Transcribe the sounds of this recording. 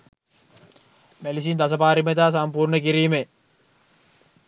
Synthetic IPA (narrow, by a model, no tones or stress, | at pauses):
mælis̬iːnd̪as̬əpaːɾimet̪aːs̬ampuːrɳəkiɾiːme